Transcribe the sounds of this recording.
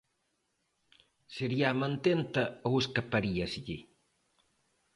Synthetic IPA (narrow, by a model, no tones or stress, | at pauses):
seɾiamant̪ent̪aouskapaɾiasiʎi